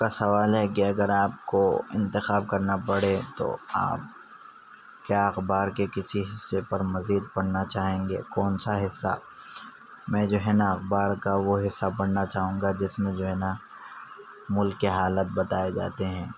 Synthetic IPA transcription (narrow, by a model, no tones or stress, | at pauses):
kasɐʋaːlɦɛkiɐɡəɾaːp̚koɪ̰̃nt̪ɪxaːb̚kɐɾnapɐɽ̤et̪o̰a̰ːp̚ | kjaːɐxbaːɾkekɪsiɦɪsːepɐɾmɐziːd̪̚pɐɽ̤nat͡ʃaːɦẽːŋɡḛːkɔːnsaɦɪsːa̰ | mɛ̃ːd͡ʒoːɦɛnaɐxbaːɾkaʋoɦɪsːapɐɽ̤nat͡ʃaːɦũːŋɡad͡ʒɪsmẽd͡ʒoːɦɛna | mʊlkːeɦaːlət̪̚bɐt̪aːed͡ʒa̰ːt̪eɦɛ̃ː